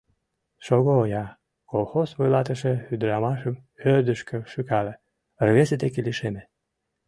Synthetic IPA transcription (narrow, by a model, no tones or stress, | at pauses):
ʃoɣoːjɑ | kolˠxosβojlˠɑt̪əʃĕhyd̪ɾɑmɑʃəmørd̪əʃkə̆ʃykɑlĕ | ərɣeset̪ekeliʃeme